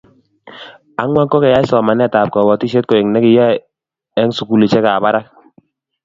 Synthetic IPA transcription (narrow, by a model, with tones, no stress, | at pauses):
a˨˦ŋwa˦kːɔ˦kɛ˨ja˦ɪ˦sɔ˨ma˨nɛ˦˨taː˨p̚kɔ˨bɔ˨ti˦ʃe˦t̚kɔ˨ɛ˨ŋnɛ˦kɪ˦ja˦ | ɛ˦ŋsu˨ku˦li˨t͡ʃɛ˦ka˨ba˦ɾa˦k̚